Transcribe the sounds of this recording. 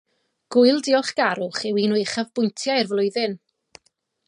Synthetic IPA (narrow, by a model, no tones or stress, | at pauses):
ɡ̥ʊɨlˠdɪɔχɡ̥aɾʊχɛwineɨχavbʊjntʰjaɪrvlˠʊɨðɪn